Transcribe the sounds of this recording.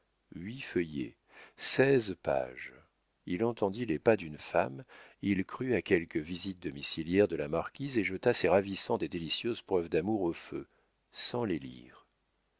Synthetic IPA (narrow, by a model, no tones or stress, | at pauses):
ɥifəjḛ | sɛzpa̰ʒ | ilɑ̃t̪ɑ̃d̪ilepad̪ynfamilkχyakʲɛlkəvizit̪̚d̪ɔmisiljɛʁd̪əlamaʁkʲizeʒət̪aseʁavisɑ̃t̪ed̪elisjøzpχœvd̪amuʁofø | sɑ̃lelḭːʁ